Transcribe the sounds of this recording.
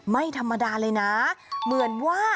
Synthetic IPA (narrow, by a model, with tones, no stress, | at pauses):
ma˥˩jt̪ʰa˧mːa˧daː˧lɤː˧jna˦˥mɯ˩˦ənwaː˥˩